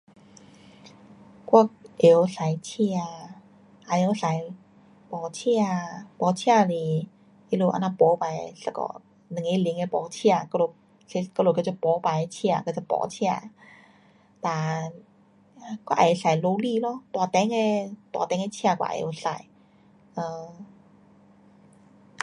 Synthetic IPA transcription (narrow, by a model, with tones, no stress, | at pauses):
kwa˧ʔe˨˧sa˨˦jt͡ɕʰi˧a˧˨ | ʔa˧e˧˦sa˨˦j | pɔ˨˧˦t͡ɕʰi˧˥˧a˧pɔ˨˧˦t͡ɕʰi˧˥˧a˧li˧˩ | e˧˦lo˧˨ʔa̰˧na˧pɔ˨˦pa˨˧˦jsa˧kɔ̰˧˨ | nɨ˨ŋe˧˦˧li˧˦ŋe˧˦pɔ˨˦t͡ɕʰi˧a˨kɔ˧lo˧˩ | se˧˦klo˧˩kt͡ɕa˧˩pɔː˨˦pa˨jt͡ɕʰi˧˥a˨ka˧˩t͡ɕa˧˩pɔ̰ː˧˦t͡ɕʰi˧a˧˨ | t̪aː˨˩˧ | kɔ˧˦ʔa̰˨˩jsa˨˦jlo˧liː˧˨lɔ˧˦t̪waː˨˩t̪ɛ˧˦ŋe˧t̪wa̰˨˧˩t̪ɛ˧˦ŋ˧˦t͡ɕʰi˧a˧kwa̰˧˨ʔʔo˧˩sa̰˨˦j | ʔəː˧˩